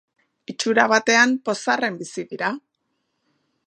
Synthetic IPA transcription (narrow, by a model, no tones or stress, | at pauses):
it͡ʃuɾaβ̞at̪e̞ampo̞sare̞mbisiðiɾa